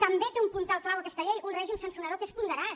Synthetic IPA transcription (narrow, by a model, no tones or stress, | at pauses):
t̪əmbet̪eumpunt̪alˠklawəkɛst̪əʎejunrɛʒimsansunəðokespund̪əɾat̪